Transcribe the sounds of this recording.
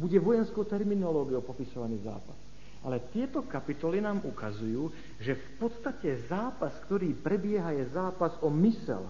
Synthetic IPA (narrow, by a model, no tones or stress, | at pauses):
buɟɛʋɔjɛnskɔʊt̪ɛɾminɔlɔːɡioʊpɔpisɔʋaniːza̰ːpas | ʔalɛt̪ɪɛt̪ɔkapit̪ɔlinaːmʔukazujuː | ʒɛfpɔt̪st̪acɛzaːpaskt̪ɔɾiːpɾɛbɪɛɦajɛzaːpazɔmisɛ̰l